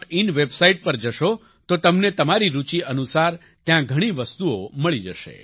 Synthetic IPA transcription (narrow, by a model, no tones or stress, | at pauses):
inʋebsaiʈ̚pəɾd͡ʒəʃo | t̪ot̪əmnet̪əmaɾiɾut͡ʃiʔənusaɾ | t̪jãɡʱəɽ̃iʋəst̪uoməɭid͡ʒəʃḛ